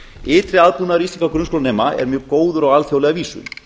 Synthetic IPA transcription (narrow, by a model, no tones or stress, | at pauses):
ɪːt̪ɾɪaðpunaɾiːt̪ikawkɾʏnskolnɛːmaɛ̰ɾmjœːɣkoːwðʏɾɔɣalθjowlɛɣaviːsʏ̰